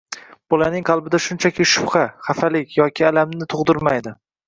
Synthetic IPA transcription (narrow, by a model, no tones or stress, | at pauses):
b̥olanɪŋqʰɑlˠbɪd̪aʃʊnt͡ʃʰakʲʰɪʃʊ̥pχaχafalɪkʲʰjɒkʲʰɪalamnɪt̪ʰʊʁd̪ɪɾmajd̪ɪ